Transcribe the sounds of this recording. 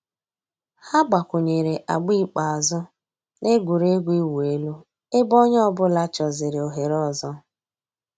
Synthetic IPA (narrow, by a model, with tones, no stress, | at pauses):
ha˦ɡ͡ba˨kʷʊ˨ɲe˨ɾe˨ʔa˨ɡ͡bi˦k͡pa˨a˨zɔ˦ | le˦ɡʷu˨ɾe˦ɡʷi˦wu˨e˦lu˦ | e˦bɔ˦ɲ˦ɔ˦bʊ˦la˦t͡ʃɔ˨zɪ˨ɾɪ˨o˨ɦe˨ɾɔ˦˨zɔ˦